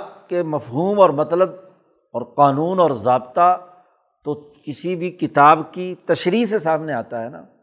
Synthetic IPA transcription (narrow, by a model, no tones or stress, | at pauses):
tkemɐfɦuːmɔːɾmɐt̪ləb̚ | ɔːɾqaːnuːnɔːɾzaːbt̪a | t̪o | kɪsibʱikɪt̪aːbkit̪ɐʃɾiːs̬esaːmneaːt̪aɦɛːna̰ː